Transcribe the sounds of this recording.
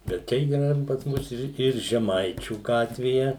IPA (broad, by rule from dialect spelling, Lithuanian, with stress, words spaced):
bʲɛt ˈt͡ʃʲɛ iːˈrɐ ɪr pɐs ˈmʊs ɪr ɪr ʒʲɛˈmɐɪt͡ʃʲuː ˈɡɑːtʲʋʲeːjɛ